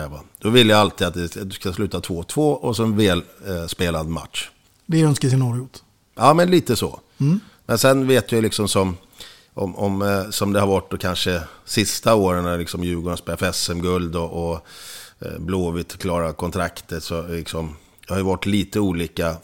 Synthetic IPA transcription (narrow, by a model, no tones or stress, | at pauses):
ɛvad̪̥ɔvɪlːjaalt̪ʰiːd̪at̪̚d̪ɛskaslʉ̟ːt̪at̪ʰvoːt̪ʰvoːʔɔsɔɛnvɛːlspeːlad̪ma̰t̪ʂ | vɪœnskəsɪnɔːɾɪʊt̪ | ɑːmɛnliːt̪əsɔ̰ | mɛnsɛnveːt̪jalɪksɔmsɔm | ʔɔmɔmsɔmd̪ɛhaɾvaʈ̚ːd̪ɔkʰanʂəsɪst̪aoːɾənælɪksɔmjʉ̟ːɡʊɳaspeːlafɛsɛmɡɵld̪ɔʔɔ | bloːvɪt̪kʰlɑːɾakʰɔnt̪ʰɾakt̪ʰəsɔlɪksɔm | d̪ahajʏvaʈːliːt̪əuːliːka